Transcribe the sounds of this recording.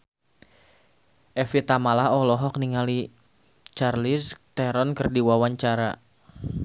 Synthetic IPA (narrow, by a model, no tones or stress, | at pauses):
ʔɛfit̪amalaɔlɔɦɔk̚niŋali | t͡ʃarlist̪ɛɾɔnkɨrdiwawaɲt͡ʃaɾa